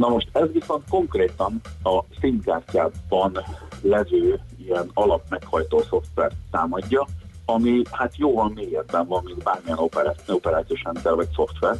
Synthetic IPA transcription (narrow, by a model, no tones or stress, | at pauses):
nɒmo̞ʃt̪ɛzʋiso̞nt̪̚ko̞ŋkreːt̪ɒnɒsinkaːrcaːbɒnlɛvøːijɛnɒlɒpmɛkhɒjt̪oːso̞ft̪ʋɛ̰rt̪ːaːmɒɟːɒɒmihat̪joːvɒmːeːjɛd̪bɛɱvɒmːind̪baːrmijɛno̞pɛɾaopɛɾaːt̪sijoʃɛnt̪sɛrvɒcso̞ft̪ʋɛr